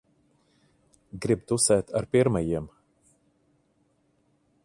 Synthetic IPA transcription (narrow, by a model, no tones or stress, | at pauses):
ɡɾib̚t̪usɛːt̪aɾpiɾmajiɛm